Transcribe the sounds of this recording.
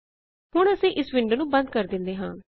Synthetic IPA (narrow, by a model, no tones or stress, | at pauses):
ɦʊɳ̃əsĩːʔɪsʋɪɳɖnũːbənd̪̚kəɾd̪ɪ̃nd̪eːɦã̰ː